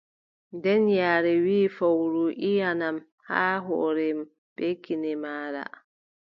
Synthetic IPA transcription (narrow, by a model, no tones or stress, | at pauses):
ndɛnjaːɾɛwiːfawɾuʔijanam | ha̰ːɦɔ̰ːɾɛm | b̥ekːinɛmaːɾa̰